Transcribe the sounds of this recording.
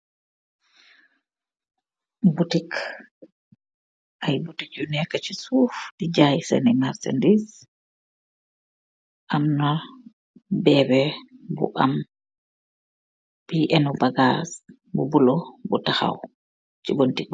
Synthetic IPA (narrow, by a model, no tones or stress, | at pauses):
butik | ʔajbutid͡ʒunɛkat͡ʃisufdid͡ʒajsɛ̰nimaɾsɛ̰ndis | ʔamna | bɛbɛbṵʔa̰m | b̥iʔɛnɔbaɡas | bubulɔbutaxa̰w | t͡ʃibontik̚b